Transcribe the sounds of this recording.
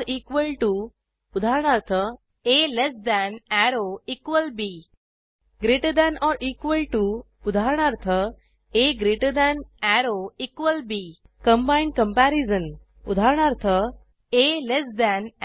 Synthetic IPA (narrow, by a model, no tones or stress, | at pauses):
ɾiːkʋəlʈu | ud̪ʱaɾɳ̃aɾt̪ʰə | elesd̪ɛ̃næɾoiːkʋəlbi | ɡɾiʈəd̪ɛ̃nɔɾʔiːkʋəlʈu | ud̪ʱaɾɳ̃aɾt̪ʰə | eɡɾiʈəd̪ɛnæɾoiːkʋəlbiː | kə̃mbaiɳɖ̚kə̃mpæɾizən | ud̪ʱaɾɳ̃aɾt̪ʰə | elesd̪æ̃n